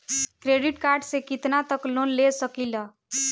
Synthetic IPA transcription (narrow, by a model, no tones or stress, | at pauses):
kɾeɖiʈkaɾɖsekit̪nat̪əklonlesəkilə